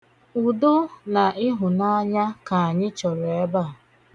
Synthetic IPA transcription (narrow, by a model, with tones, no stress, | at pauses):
ʊ˨dʊ˦na˨ɪ˦ɦʊ˨na˦ɲa˦ka˨a˨ɲɪ˦t͡ʃɔ˨ɾe˦ba˦˨